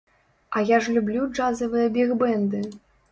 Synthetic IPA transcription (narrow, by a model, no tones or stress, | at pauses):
ɐjaʐlʲublʲud͡ʐazɐvɨjɐbʲɛɣbɛnd̪ɨ